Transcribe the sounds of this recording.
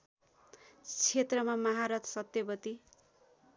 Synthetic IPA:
t͡sʰet̪rʌmamʌɦaɾʌt̪sʌt̪jʌbʌt̪i

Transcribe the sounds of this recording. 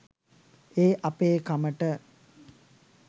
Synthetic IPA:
eːʔapeːkaməʈə

